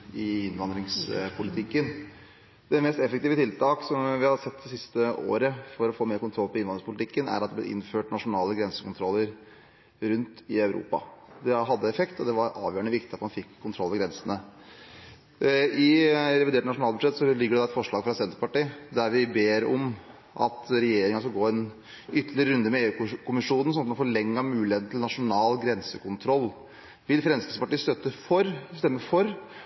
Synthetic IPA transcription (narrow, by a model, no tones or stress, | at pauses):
ɪɪnʋɑnd̪ɾɪŋspʰʊlɪt̪ʰɪkːən | d̪ɛmɛst̪ɛfəkt̪iːʋət̪ʰɪlt̪ɑːksɔmʋɪhɑd̪sɛt̪ːd̪ɛsɪst̪əo̰ːɾəfɔɾɔfoːmeːɾkʊnt̪ʰɾɔlːpʰɔɪnʋɑnɾɪŋspʊlɪt̪ɪkːənæ̰ɾɑt̪d̪ɛblɛʔɪ̰nføːʈnɑʂʊnɑːləɡɾɛnsə̥kʰʊnt̪ʰɾɔlːəɾ | ɾʉnt̪ɪɑʉɾṵːpɑ̰d̪ɛɦɑd̪ːəɛfɛkt̪ɔd̪ɛʋɑɾʔɑ̰ːʋjøːəɳəʋɪkt̪ɪɑt̪mɑnfɪkʰːʊnt̪ʰɾɔlːʋɛɡɾɛnsənə | ɪɾɛʋɪd̪eːʈnɑʂʊnɑːlbʉd̪ʂɛt̪ːsɔlɪɡːəɖɛd̪ɑɛt̪fɔʂɭɑːɡfɾɑsɛnt̪ɾəpɑʈiːd̪æɾʋɪbeːɾɔm | ʔɑ̰t̪ɾɛjeːɾɪŋɑskɑlɡoːɛn | ʏt̪ːəlɪɾəɾʉnd̪əmɛeːʉːkʰʊmɪʂuːnn̩sɔnɑt̪mɑnfɔɭɛŋːəmʉːlɪheːt̪n̩t̪ʰɪlnɑʂʊnɑːlɡɾɛnsəkʰʊnt̪ʰɾɔlː | ʋɪlfɾɛnskəsəpɑʈiːst̪œt̪ːəfɔɾst̪ɛmːəfɔɾ